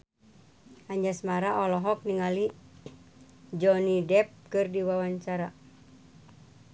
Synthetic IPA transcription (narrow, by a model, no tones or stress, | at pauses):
aɲd͡ʒasmaɾaʔɔlɔɦɔk̚niŋali | d͡ʒɔnidɛp̚kɨrdiwawaɲt͡ʃaɾa